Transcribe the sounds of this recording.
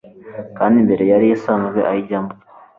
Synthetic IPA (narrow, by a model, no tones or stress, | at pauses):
kaːndimbe̞ɾe̞jaɾijesamuɡwḛʔajiɟamo